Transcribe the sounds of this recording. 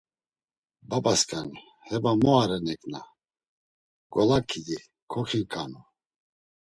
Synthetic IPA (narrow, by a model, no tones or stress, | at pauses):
babaskʼani | hɛbamɔaɾɛnɛkʼna | ɡ̥ɔlakʰid̪i | kʰɔχinkʼanu